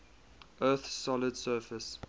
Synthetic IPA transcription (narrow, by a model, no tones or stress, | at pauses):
ʔɜːˑθsɔlədsɜːfəs